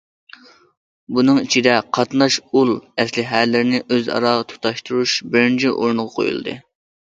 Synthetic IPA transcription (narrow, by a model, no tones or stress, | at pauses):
bunɨŋit͡ʃʰid̪ɛqʰɑt̪nɑʃulˠɛslɪɦælɪɾɪnɪʔøzɑ̰ɾɑːʁət̪ʰu̥t̪ɑʃt̪uɾuʃbɪɾɪnt͡ʃʰiʔo̰ɾnʁɑqʰo̰jṵl̰ˠd̪ɨ̰